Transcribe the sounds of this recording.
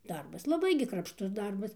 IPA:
ˈdɐrbɐs lˠɐˈbɐɪ ɡʲɪ krɐpʃˈtʊs ˈdɐrbɐs

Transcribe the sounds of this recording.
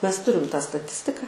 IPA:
ˈmʲɛs ˈtʊrʲɪm tɑː stɐˈtʲɪsʲtʲɪkɐ

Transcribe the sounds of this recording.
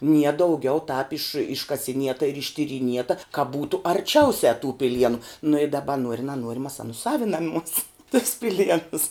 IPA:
nʲiɛ dɐʊˈɡʲɛʊ tɑːp ɪʃ ɪʃkɐsʲɪˈnʲiɛtɐ ɪr ɪʃʲtʲɪrʲiːˈnʲiɛtɐ kɐ ˈbuːtʊ ɐrʲˈt͡ʃʲɛʊsʲɛ tuː pʲɪˈlʲiɛnʊ nʊ ɪ dɐbɐ ˈnuɔrʲɪ nʲɛˈnuɔrʲɪ mɐs ɐˈnʊ ˈsɑːʋʲɪnɐmuɔs tʊs pʲɪˈlʲiɛnʊs

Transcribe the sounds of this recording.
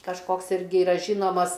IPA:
kɐʃˈkoːks ˈɪrʲɡʲɪ ɪˈrɐ ˈʒʲiːnoːmɐs

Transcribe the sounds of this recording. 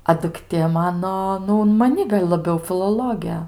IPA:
ɐ dʊkˈtʲeː ˈmɑːnoː ˈnʊ ʊn mɐˈnʲɪ ɡɐlʲ lˠɐˈbʲɛʊ fʲɪlˠoːˈlˠoːɡʲeː

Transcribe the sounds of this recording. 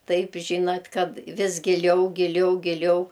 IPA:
ˈtɐɪp ˈʒʲiːnɐt ˈkɐt ˈʋʲɪs ɡʲɪˈlʲɛʊ ɡʲɪˈlʲɛʊ ɡʲɪˈlʲɛʊ

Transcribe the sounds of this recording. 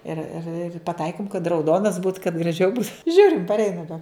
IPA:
ɪr ɪr ɪr pɐˈtɐɪkʲɪm kɐt rɐʊˈdoːnɐs buːt kɐt ɡrɐˈʒʲɛʊ buːt ˈʒʲuːrʲɪm pɐrʲˈɛɪnɐ bʲɛ

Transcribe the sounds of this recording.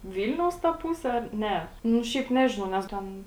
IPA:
ˈʋʲiːlʲnʲɛʊs tɐ ˈpʊsʲɛ ˈɐr ˈnʲɛ nʊ ˈʃʲɛɪp ˈnʲæːʒʲɪnɐʊ nʲɛs ˈtʲɛn

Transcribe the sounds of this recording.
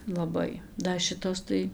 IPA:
lˠɐˈbɐɪ dɐ ˈʃʲɪtoːs tɐɪ

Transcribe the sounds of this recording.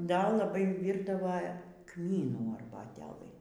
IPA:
ˈdɐ lˠɐˈbɐɪ ˈʋʲiːrdɐʋɐ ˈkmʲiːnuː ɐrbɐˈtʲæːlˠɨ

